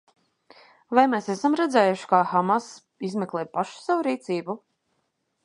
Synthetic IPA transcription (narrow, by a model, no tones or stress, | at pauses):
vajmeːsesamɾɛd̪zɛːjuʃi̥kaxamas | izmɛklˠeːpaʃu̥savuɾiːt̪siːbu